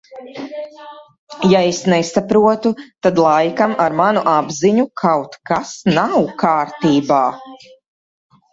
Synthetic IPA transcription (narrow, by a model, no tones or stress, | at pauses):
jaesnɛsapɾuɔt̪ut̪ad̪lˠajkamaɾmanuʔabziɲukʰawt̪kasnawkaːɾt̪iːbaː